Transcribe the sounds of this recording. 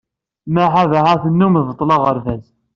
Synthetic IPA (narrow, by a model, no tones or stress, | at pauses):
mæħavaʕaθənːumvət̪ˤːlɑʁəɾvæz